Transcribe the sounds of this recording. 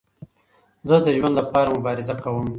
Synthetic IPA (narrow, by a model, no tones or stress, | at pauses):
zəd̪əʒwand̪lapɑːɾamʊbɑːɾɪzakawəm